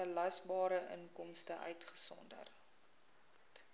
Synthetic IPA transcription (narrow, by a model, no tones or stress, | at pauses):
əlɐsbɑːɾəʔə̰ŋkɔmstəʔœ̰ɥtχə̥sɔ̰ndə̰r | t